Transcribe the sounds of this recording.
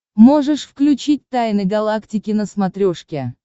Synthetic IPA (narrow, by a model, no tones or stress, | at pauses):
mo̞ʐɨʂfklʲʉt͡ɕit̚ʲt̪ajnɨɡɐlˠaktʲɪkʲɪnəsmat̪ɾʲoʂkʲe